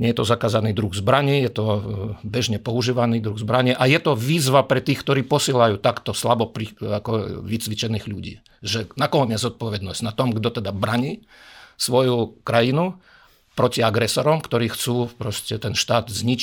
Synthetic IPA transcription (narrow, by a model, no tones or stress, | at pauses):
ɲɛjɛt̪ɔzakaːzaniːd̪ɾuɣzbɾaɲijɛt̪ɔbɛʒɲɛpɔuʒiːʋaniːd̪ɾuɣzbɾaɲɛʔajɛt̪ɔʋiːzʋapɾɛt̪iːxkt̪ɔɾiːpɔsiɛlajuːt̪akt̪ɔslabɔpɾiakɔʋit͡sʋit͡ʃɛniːɣʎuɟḭː | ʒɛnakɔɲɪɛzzɔt̪̚pɔʋɛd̪nɔzɟ̥nat̪ɔmɡd̪ɔt̪ɛd̪abɾaɲiː | sʋɔjukɾajinu | pɾɔciaɡɾɛsɔɾɔmkt̪ɔɾiːxt͡suːpɾɔscʲɛt̪ɛnʃt̪aːd̪zɲit͡ʃ